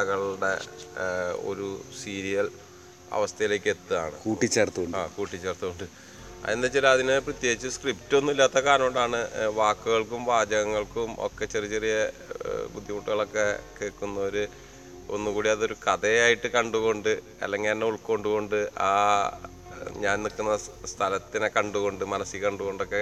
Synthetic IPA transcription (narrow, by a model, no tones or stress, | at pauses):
ɐɣɐɭɽe̞̰ | o̞̰ɾusiːɾijɐl | ɐ̰ʋɐst̪ʰɐjile̞ːkːe̞t̪ːɨaːɳɨ̰kuːʈːit͡ɕːert̪ːuoaːkuːʈːit͡ɕːeːrt̪ːuoɳɖɨ | ɐ̰enːet͡ɕːelɐðinɨprɐt̪jeːɡit͡ɕːɨskriptːɨonːilːaːt̪ːɐkaːɾnɐmoɖaːɳɨʋaːkːuɣɐɭkumʋaːd͡ʑɐɣɐŋːɐɭkumʔo̰kːe̞t͡ɕːerit͡ɕːe̞rijɐ | bud̪ʱːjimuʈːuɣɐɭo̞kːe̞keːɭkːunːɐoɾu | o̰nːukuːɽiɐðo̞ɾukɐðeaːjiʈːɨkɐɳɖuɣo̞ɳɖɨ | ɐ̰lːeŋːɡiɐnːeuɭkːo̞ɳɖuɣo̞ɳɖɨʔaː | ɲaːnnikːunːɐst̪ʰɐlɐt̪ːinekɐɳɖuɣo̞ɳɖɨmɐnɐsikɐɳɖuɣo̞ɳɖo̞kːe